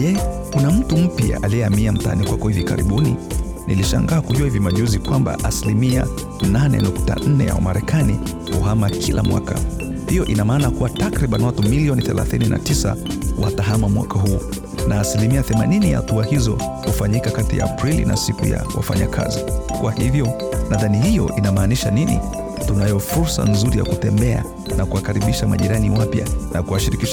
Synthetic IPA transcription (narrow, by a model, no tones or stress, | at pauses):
jɛkunam̩tum̩pia̰ʔaliɛamiam̩ta̰nikwakɔhivika̰ɾḭɓuni | niliʃa̰ŋɡaːkuʄuahivimaʄuzikwamba̰ʔasilimia | nanɛ̰nukta̰n̩nɛ̰a̰wamaɾɛkʰani | hṵɦamakʰilʔamwa̰ka | hijɔʔinamaːnakuwatakɾiɓanwatumiliɔniθɛla̰θinina̰tisa̰wataɦamamwa̰kaɦuː | naːsilimiaθɛmaninijahatuahizɔ̰ | hufaɲikakatija̰ːpɾilḭna̰sikuja̰wa̰fa̰ɲa̰kʰa̰zikwahivjɔ | naðanihijɔ̰ʔinamaːniʃaninḭ | tunajɔfuɾsa̰nzuɾija̰kutɛmbɛa | nakuwakaɾiɓiʃamaʄiɾaniwapja̰nakuwaʃiɾikiʃ